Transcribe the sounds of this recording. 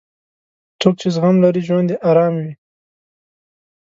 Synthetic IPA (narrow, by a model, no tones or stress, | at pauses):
t͡sok̚t͡ʃezɣamlaɾiʒwand̪eʔɑɾɑːmwi